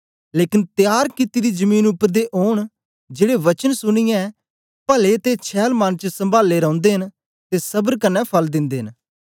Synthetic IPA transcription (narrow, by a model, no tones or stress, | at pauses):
leːkɪnt̪ɪjaːɾkɪt̪iːd̪id͡ʒəmiːnʊpːəɾd̪eʔoːɳ̃ | d͡ʒeːɽeʋɐt͡ʃənsʊɽ̃ɪjãɛ | pəlet̪et͡ʃʰɛːlmant͡ʃsə̃mbʱaːlːeɾɔ̃ːʊ̃nd̪eːɦən | t̪esɐbəɾkənːɛpʰɐld̪ɪ̃nd̪eːɦɪ̃n